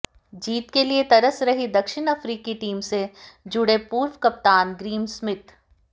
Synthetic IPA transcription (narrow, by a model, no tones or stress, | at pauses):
d͡ʒiːt̪keliet̪ɐɾəsɾɐɦid̪ɐkʃɪɽ̃ɐfɾiːkiʈiːmsed͡ʒʊɽepuːɾwkɐp̚t̪aːnɡɾiːmsmɪt̪